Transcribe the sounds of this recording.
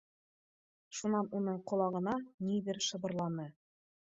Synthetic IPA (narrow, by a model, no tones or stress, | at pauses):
ʃunɑnunɤɴqŏlˠɑʁɤ̆nɑnid̪ɘɾʃɤ̆bɤ̆ɾlˠɑnɤ